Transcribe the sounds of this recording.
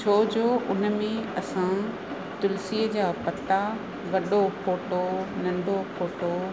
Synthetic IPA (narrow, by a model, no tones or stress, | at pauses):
t͡ɕʰoːd͡ʑoːʔʊn̆mẽɐsã | t̪ʊlsiːəd͡ʑaːpɐt̪a | ɡɐɗopʰoːʈonɐ̃ɳɖʱokʰoːʈo